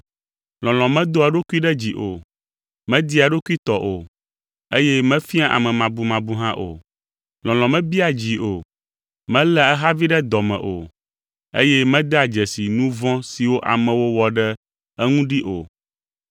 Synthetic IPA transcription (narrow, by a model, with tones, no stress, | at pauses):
lɔ̃˨l̃ɔ̃˨mɛ̃˦d̪o˦a˨ɖo˦ku˦i˦ɖɛ˦d͡ʑi˨ʔo˨ | mɛ̃˦d̪i˦a˨ɖo˦ku˦i˦t̪ɔ˨ʔo˨ | e˦jɛ˦mɛ̃˦fi˦a˦˨ʔa̰˨mɛ̃˨mã˨bu˨mã˨bu˦ɦã˦ʔo̰˨ | lɔ̃˨l̃ɔ̃˨mɛ̃˦bi˦a˨d͡ʑi˨ʔo˨ | mɛ̃˦lɛ˦ɛ˦ɦa˦vi˦ɖɛ˦d̪ɔ˨mɛ̰̃˨ʔo̰˨ | ḛ˦jɛ˦mɛ̃˦d̪ɛ˦a˨d͡ʒɛ˨si˨nũ˦vɔ̃˦si˨wo˦ʔa̰˨mɛ̃˨wo˦wɔ˨ɖɛ˦ | ɛ˦ŋũ˦ɖi˦ʔo˨